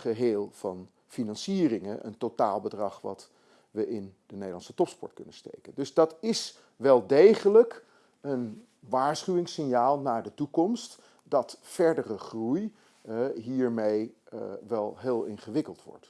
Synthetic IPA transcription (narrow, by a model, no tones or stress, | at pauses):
χəɦeːlˠv̥ɑn | finɑnsiːrɪŋəʔə̰ntota̰ːlˠbədrɑχʋɑ̰t | ʋəʔɪndənejdəlɑnsətɔpspɔ̰ɹtkɵnəstḛjkəndɵzdɑtɪs | ʋɛlˠdejχələk | ən | ʋaːɹsχyʋɪŋsɪnjaːlˠnaːɹdətukɔmst | d̥ɑtfɛɹdərəχruj | ɦiːɹmejʋɛlˠɦeːlˠɪ̰nχəʋɪkəlˠtʋɔ̰ɹt